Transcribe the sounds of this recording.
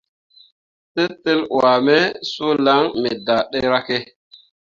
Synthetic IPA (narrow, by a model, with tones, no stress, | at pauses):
te˦tːe˦lwa˨me˦su˦la˦ŋme˨da˨ɗe˦ɾa˦ke˦